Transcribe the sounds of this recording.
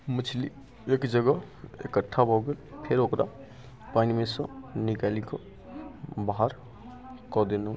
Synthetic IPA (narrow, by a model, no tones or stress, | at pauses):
mət͡ʃʰli | ekd͡ʒəɡə | ḛkəʈʰːabʱɔɡelpʰeɾokɾʔa̰ | panimesɔ̃nikalikɔ | baɦaɾ | kɔd̪enũ